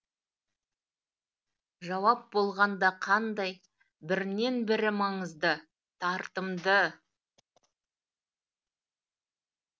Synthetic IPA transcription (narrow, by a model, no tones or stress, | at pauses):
ʒɑwɑp̚bo̞lˠʁɑnd̪ɑqʰɑnd̪ɑj | bɪɾne̞nbɪɾɪmɑɴəzd̪ə | t̪ʰɑɾt̪əmd̪ə